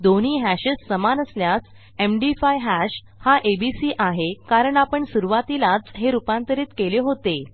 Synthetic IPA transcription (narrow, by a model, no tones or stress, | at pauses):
d̪oñ̤iːɦæɕəsːəmanəsljas | emɖifajɦæɕ | haʔebisiːʔaɦekaɾəɳapəɳsuɾuʋat̪ilat͡sɦeɾupãnt̪əɾiːt̪keleɦot̪e